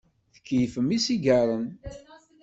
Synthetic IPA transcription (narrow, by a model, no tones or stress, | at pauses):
θə̥kːjfəmisiɡɑɾˤən